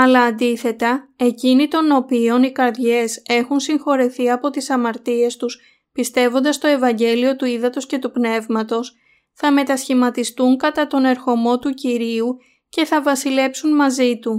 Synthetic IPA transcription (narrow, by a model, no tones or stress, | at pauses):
ɐlɐːnd̪iθe̞t̪ɐe̞cinit̪o̞no̞pio̞nikɐɾðʝe̞se̞xunsiŋxo̞ɾiθiɐpo̞t̪isɐmɐɾt̪ie̞st̪us | pist̪e̞vo̞nd̪ɐst̪o̞e̞vɐɲɟe̞lio̞t̪uiðɐt̪o̞sce̞t̪upne̞vmɐt̪o̞s | θɐme̞t̪ɐsçimɐt̪ist̪uŋkɐt̪ɐt̪o̞ne̞ɾxo̞mo̞t̪uciɾiu | ce̞θɐvɐsile̞psunmɐzit̪u